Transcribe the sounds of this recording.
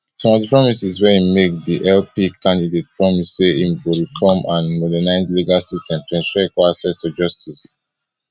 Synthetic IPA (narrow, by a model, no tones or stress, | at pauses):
sɔ̃mɔdəpɹɔmisiswɛimekdiʔɛlpikʰãndidet̚pʰɹɔmisseimwiɹikʰɔ̃mãnmɔdɛnaɪzliɡalsistɛ̃mtɛ̃nsɹɛkɔasɛsfɔd͡ʒɔstʰis